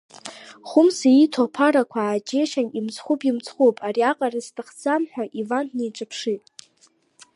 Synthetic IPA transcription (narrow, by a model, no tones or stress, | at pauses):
χʷʊmsaitʰopʰaɾakʷʰaːd͡ʒe̞ʃanimt͡sʰʼχʷupʼimt͡sʰʼχopʼariaqʼaraztʰʼɨχd͡zamħʷᶣaʔivannejʈ͡ʂʼapʰʂitʼ